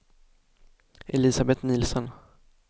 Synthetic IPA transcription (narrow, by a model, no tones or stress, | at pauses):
ʔɛlɪːsabɛt̪niːlsɔn